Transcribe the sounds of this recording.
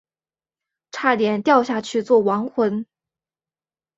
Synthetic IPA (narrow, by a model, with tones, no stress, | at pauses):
ʈ͡ʂʰa˥˩t̪jɛ˨˩nt̪jɑ˥˧ʊɕja˥˩t͡ɕʰy˥˧t͡swɔ˥˩wɑ˧˥ŋxwə˧˥n